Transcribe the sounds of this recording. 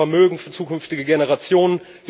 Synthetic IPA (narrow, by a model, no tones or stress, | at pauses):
ɛɐmøːɡŋ̩fyːɐt͡suːkʏnftɪɡəɡenəʁ̞at͡sjoːnən | v